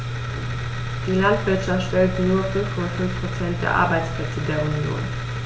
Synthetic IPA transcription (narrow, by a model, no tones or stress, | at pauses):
d̥iːlantv̥ɪɐtʃaftʃtɛltənuːɐfʏnfkʰɔmafʏnfpʁ̥ot͡sɛnt̚d̥ḛːɐʔa̰ɐbaɪt͡spl̥ɛt͡sədeːɐunjo̰ːn